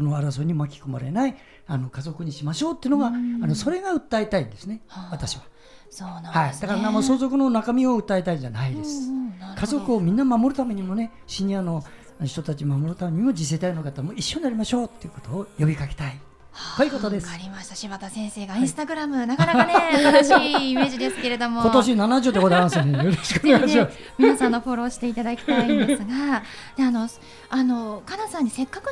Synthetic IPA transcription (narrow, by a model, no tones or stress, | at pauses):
konoaɾas̬oɲ̟imoakʲi̥koma̰ɾe̞nai | ano̞kazo̞kɯ̟ɲ̟iɕimaɕo̞ːt̪ːeiɯ̟noɡaano̞so̞ɾe̞ɡaɯ̟t̪ːaet̪aĩnd̪e̞sɨne̞βat̪aɕiβa | sonhaid̪akaɾanamoso̞ːzo̞kɯ̟no̞nakamʲio̞ɯ̟t̪ːaet̪aid͡ʑanaid̪e̞sɨ̥kʰazo̞kɯ̟omʲĩnːamamo̞ɾɯ̟t̪ame̞ɲ̟imo̞ne̞ | ɕiɲ̟iano̞ | ɕi̥t̪o̞t̪at͡ɕiomamo̞ɾɯ̟t̪ame̞ɲ̟imo̞d͡ʑis̬e̞ːt̪ainokat̪ːamoiɕːoɲnaɾʲimaɕo̞ːt̪ːejɯ̟kot̪o̞ːjo̞bʲikaket̪ai | akoiɯko̞t̪o̞d̪e̞saɾʲimaɕi̥t̪aɕimat̪asẽ̞ɰ̃se̞ːɡaĩsɨ̥t̪aɡɯ̟ɾamɯ̟naɡɾaneɕːme̞ːʑid̪e̞sɨ̥ke̞ɾe̞d̪o̞moo̞t̪o̞ɕ̬inanaʑoːt̪ːekod̪aɾmasionejoɾoɕi̥koneɡanaɕima | mʲinasãnːo̞ɸo̞ɾo̞ːɕi̥t̪e̞it̪ad̪akʲi̥t̪aĩnd̪sɨɡad̪eano̞ | ano̞kanasãɲ̟ːise̞kːakɯ̟